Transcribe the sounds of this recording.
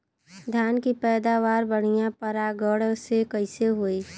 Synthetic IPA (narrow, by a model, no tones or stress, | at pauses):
d̪ʱjaːnkipɛːd̪aːʋaːɾbəɽ̤ijãpəɾaɡəɽsekəɪseɦoːiː